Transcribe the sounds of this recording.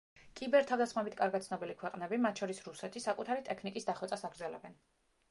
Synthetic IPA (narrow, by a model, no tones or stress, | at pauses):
kʼibɛɾt̪ʰavd̪asχmɛbit̪ʰkʼaɾɡat̪t̪snɔbilikʰwɛqʼnɛbimat̪ʰʃɔɾisɾusɛt̪ʰisakʼut̪ʰaɾit̪ʼɛkʰnikʼisd̪aχwɛt̪sʼasaɡɾd̪zɛlɛ̰bɛn